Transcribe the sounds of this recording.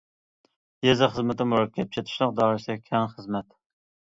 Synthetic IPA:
jezɨχəzmɪt̪ɪmuɾɑkʲʰːɛp̚t͡ʃʰet̪ʰɪ̥ʃlˠəq̚d̪ɑːɾɨsɪkʲʰɛŋχəzmɛt̪

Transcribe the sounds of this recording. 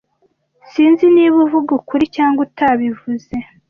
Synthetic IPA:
siːnziniːβuvuɡukuɾicaːŋɡutaβivuze̞

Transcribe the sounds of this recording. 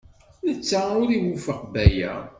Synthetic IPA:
nət͡sːaʊɾiwufəqbæjæ̰

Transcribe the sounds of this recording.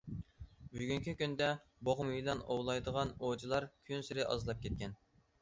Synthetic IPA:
byɡʲyŋkʲikʲynd̪ɛ | boʁmujlˠɑnowlˠɑjd̪əʁɑnod͡ʒilˠɑɾkʲʰynsɪɾɪʔɑ̰zlˠɑp̚kʲʰet̪̚kʲʰɛn

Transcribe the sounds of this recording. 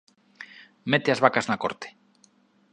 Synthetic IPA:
met̪eazβakaznako̰ɾt̪e̥

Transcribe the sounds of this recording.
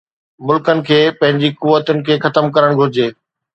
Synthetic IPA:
mʊlkənɪ̆kʰeːpɐ̃ɦɪ̃ɲd͡ʑikʊʋːət̪ʊnɪ̆kʰeːxɐt̪əmkɐɾəɽ̃ɡʱʊɾɪd͡ʑeː

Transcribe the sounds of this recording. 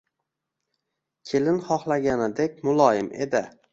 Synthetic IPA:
kʲʰelɪnχɒχlˠaɡʲanɪd̪ek̚ʲmʊlˠɒjɪmḛd̪ɪ

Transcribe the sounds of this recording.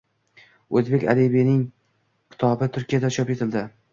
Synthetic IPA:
ozbe̞kʲa̰libinɪŋ | kʲʰɪ̥t̪ʰɒbɪt̪ʰʊɾkʲijad̪at͡ʃʰɒpet̪ʰɪld̪ɪ

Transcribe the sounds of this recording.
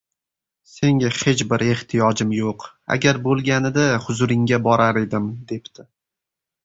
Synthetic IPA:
se̞ŋʲahe̞t͡ʃbɪɾe̞ht̪ʰijɒd͡ʒɪmjoq | a̰ɡʲaɾbolˠɡʲanɪd̪ahʊzʊɾɪŋɡʲabɒɾaɾe̞d̪ɪmd̪e̞pt̪ʰɪ

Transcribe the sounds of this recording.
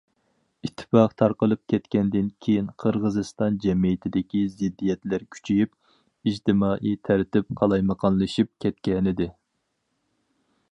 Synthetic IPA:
it̪ʰːɪ̥fɑqt̪ʰɑɾqəlˠɨp̚kʲʰɛt̪kʲɛnd̪ɪnkʲʰejinqʰəɾʁəzɨst̪ɑnd͡ʒɛmijɪt̪ʰɪd̪ɪkʲizɪd̪ːijɛt̪læɾkʲʰy̥t͡ʃʰijyp̚ | id͡ʒt̪ɪmɑːʔit̪ʰæɾt̪ɪp̚qʰɑlˠɑjməqʰɑnlˠɨʃip̚kʲʰɛt̪̚kʲɛnɪd̪ɪ

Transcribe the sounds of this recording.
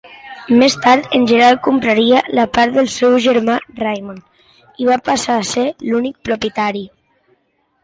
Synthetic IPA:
mest̪aɾt̪ənʲʒənəɾalˠkumpɾaɾialapaɾt̪ðəlˠsɛwʒəɾmarajmon | iβapasaːselunik̚pɾupjət̪aɾi

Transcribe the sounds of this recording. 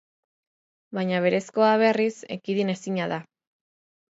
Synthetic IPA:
βaɲaβ̞e̞ɾe̞sko̞aβ̞erise̞̰kiðine̞siɲaða

